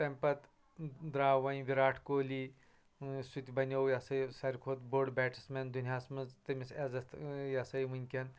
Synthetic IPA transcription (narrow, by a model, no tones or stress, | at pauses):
t̪ɐmpɐt̪ | d̪ɾaːʋɐnʋiɾaːʈʰkoːli | sut̪ʲbɐnʲɐwjɐsɐjsɐɾʲkʰoːt̪boːɖbɛːʈʰi̥smɐnd̪unijaːsmɐnzt̪ɐmisɐzɐt̪jɐsɐjʋunʲkʲɐn